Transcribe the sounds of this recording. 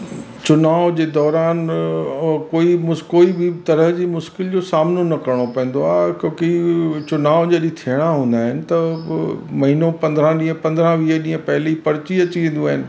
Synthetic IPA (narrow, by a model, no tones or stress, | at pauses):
t͡ɕʊnaːʋʊd͡ʑeːd̪ɔːɾaːn | koːimʊkoːibʱɪt̪ɐɾəɦd͡ʑiːmʊʃkɪld͡ʑoːsaːmnonɐkɐɾɽ̃opɛ̃ɦn̆d̪oaːkõːkit͡ɕʊnaːʊd͡ʑɐɗĩt̪ʰiəɽ̃aɦũːn̆d̪aːɦɪnɪ̆t̪ɐ | mɐɦiːnõpɐ̃nd̪ɾãɗĩːə̃pɐ̃nd̪ɾãʋiːɦəɗĩːə̃pɐɦɪlipɐɾɪt͡ɕiɐt͡ɕiʋẽːn̆d̪uaːɦɪnɪ̆